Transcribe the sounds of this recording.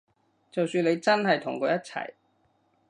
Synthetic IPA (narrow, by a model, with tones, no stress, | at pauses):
t͡sɐ˨wsyː˧nle˨˧jt͡sɐ˥nɦɐ˨jt̪ʰʊ̰˨˩ŋkɔː˨˧jɐ˥t̚t͡sʰɐ̰˨˩j